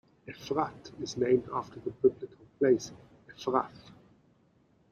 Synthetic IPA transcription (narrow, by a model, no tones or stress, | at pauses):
ɨfɹatɪznẽɪ̃mdaftʰə˞ðəbɪblɪkʰəl̩ˠpʰl̥eɪs | ɨfɹaθ